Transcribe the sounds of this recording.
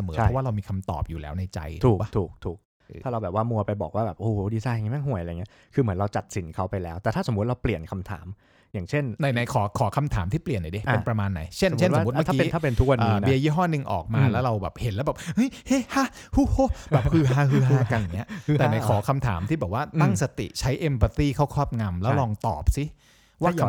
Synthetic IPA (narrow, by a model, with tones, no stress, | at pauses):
sa˧mɤː˦a˥˦waː˥˩ɾa˧wmiː˧kʰa˧mt̪ɔ̰ː˨˩p̚juː˨˩lɛː˦˥wna˧jt͡ɕa̰˧jt̪ʰuː˦˨˩ka˧˥t̪ʰuː˨˩k̚t̪ʰuː˨˩k | t̪ʰaː˥˩ɾa˧wbɛː˨˩p̚waː˥˩mu˧ɐpa˧jbɔ̰ː˨˩k̚waː˥˩bɛː˨˩p̚ʔoː˧˩ho˨˦diː˧˩saː˧˩ja˨ŋaː˧˦ma˥˩nɦu˨˩əjʔjːŋi˦˥ | kʰɯː˧mɯ˩˦nɾa˧wt͡ɕa˨˩t̪̚si˩˦nkʰa˦˥wpa˧jlɛː˦˥wt̪ɛː˨˩t̪ʰa˥˩so˩˦mː˦u˦˥t̪̚ɾa˧wpli˨˩ənkʰa˧mt̪ʰa̰ː˩˦m | jaː˨˩ŋt͡ɕʰe˥˩nna˧˩jna˨˩˦jkʰɔː˩˦kʰɔː˩˦kʰa˧mt̪ʰaː˩˦mt̪ʰiː˥˩pli˨˩ənːa˨˩˦de˧˩ʔe˧pɾa˧maː˧nːa˩˦jt͡ɕʰe˥˨nʰ˦˥˩o˦˩˨t̪mʰ˥akiː˧˦a˥˩pe˧nt̪ʰu˦˥kwa˧ʔnːiː˨˦nbi˦˧ɐjiː˥˩ɦɔː˥˩nɯ˧ŋʔɔ̰ː˨˩k̚maː˧lɛː˦˥wɾa˧wbɛː˨˩p̚he˨˩˦nlɛː˦˥wbɛː˨˩p̚ʔɯ˦˥jhe˦˥˩ha˥ | hu˦˥˩hoː˦˥ɛː˨˩hɯː˧ɦaː˧hɯː˧ɦaɯː˧ka˧njŋi˦˥ɐ˧t̪ɛː˨˩˧na˧˦jkʰɔː˩˦kʰa˧mt̪ʰa̰ː˩˦mt̪ʰiː˥˩ɛ˨˩p̚waː˥˩t̪a˥˩ŋsa˧t̪ḭ˨˩t͡ɕʰa˦˥jʔe˧mpa˧t̪iː˥˩kʰa˥˩wkʰɔː˥˩p̚ŋa˧mlɛː˦˥wlɔː˧ŋt̪ɔ̰ː˨˩p̚si˦˥ | waː˥˩˧